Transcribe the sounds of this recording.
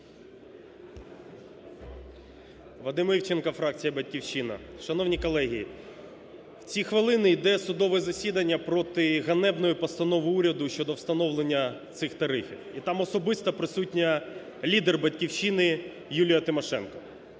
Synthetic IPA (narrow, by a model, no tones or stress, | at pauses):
ʋɐd̪ɪmiwt͡ʃenkɐfɾɑk̚t͡sʲijɐbɐdʲkʲiwt͡ʃinɐ̰ʃɐnɔwnʲikɔlˠɛɦʲiji | w̥t͡sʲixʋɪlˠɪnɪjd̪ɛsʊd̪ɔʋɛzɐsʲid̪ɐnʲːɐpɾɔt̪ɪɣɐnɛbnɔjʊpɔst̪ɐnɔʋɪuɾʲɐd̪ʊʃt͡ʃɔd̪ɔwst̪ɐnɔʋlˠenʲːɐt̪sɪxt̪ɐɾɪfʲiwit̪ɑmɔsɔbɪst̪ɐpɾɪsutʲnʲɐ | lʲid̪erbɐtʲkʲiwʃinɪ | julʲijɐt̪ɪmɔʃɛnkɔ